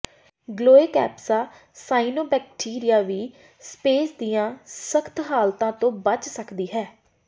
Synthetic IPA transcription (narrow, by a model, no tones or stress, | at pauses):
ɡloːeːkɛ̰ːpsaː | saːinoːbɛːk̚ʈʰiːɾɪjaːʋiː | speːsd̪iːãːsəkʰt̪ʰɦaːlt̪ãːt̪õːbət͡ʃsəkd̪iːɦɛː